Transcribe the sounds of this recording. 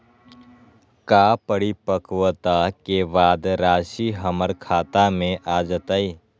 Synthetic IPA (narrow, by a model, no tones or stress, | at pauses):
kaːpəɽipəkwət̪akebaːd̪ɾaːʃiɦəməɾkʰaːt̪amẽʔaːd͡ʒət̪aːiː